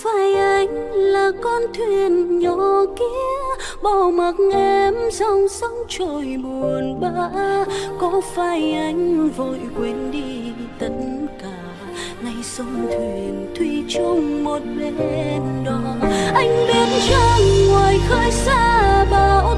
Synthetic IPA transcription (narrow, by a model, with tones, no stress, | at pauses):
faː˧˩jʔa˧jŋ̟laː˨˩kɔ˧nt̪ʰwi˧˩nɲɔ˨˩ki˧˦əə | ɓa˧˩wmə˨˩k̚ŋʔɛ˧msə˧wŋ͡msə˧˦wŋ͡mt͡ɕo˧˨˩jɓu˨˩ənɓaː˧kɔ˨˦faː˧˩jʔa˧jŋ̟vo˧˨˩jkwi˨˦nɗi˧t̪ə˨˦t̚nkaː˧˩ | na˧˩jsə˧wŋ͡mt̪ʰwi˧˩ənt̪ʰwi˧˨t͡ɕə˧wŋ͡mmo˨˩t̚ɓe˧nɗɔ˨˩ʔa˧jŋ̟ɓi˨˦ənt͡ɕə˧ŋwaː˨˩jxəː˧jsaː˧˥ɓaː˨w